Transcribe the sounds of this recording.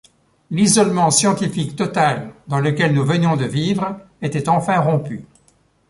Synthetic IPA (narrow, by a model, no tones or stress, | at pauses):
lizɔlmɑ̃sjɑ̃t̪ifikt̪ɔt̪ald̪ɑ̃ləkʲɛlnuvənjɔ̃d̪əvivʁ | et̪ɛt̪ɑ̃fɛ̃ʁɔ̃py